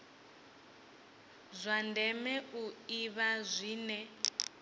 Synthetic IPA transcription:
zʷandʱɛmɛuiβazʷiːnɛ

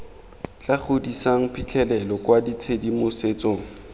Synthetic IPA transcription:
t͡ɬaχʰʊdisaŋ̩pʰit͡ɬʰɛlɛlɔkwadit͡sʰedimʊset͡soːŋ̩

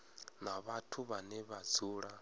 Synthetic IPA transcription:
naβatʰuβanɛβad͡zuːɺa

